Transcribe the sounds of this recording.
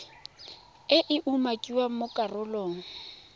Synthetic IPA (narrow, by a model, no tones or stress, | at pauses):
ɪʔɪʔumakʼiwamʊkʼarʊloːŋ̩